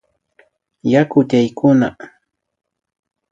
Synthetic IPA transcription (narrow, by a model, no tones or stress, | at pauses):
jakʊʎajkʊna